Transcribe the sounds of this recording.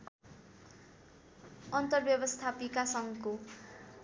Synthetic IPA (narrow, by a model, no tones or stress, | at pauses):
ʌnt̪ʌrbjʌbʌst̪ʰapikasʌŋko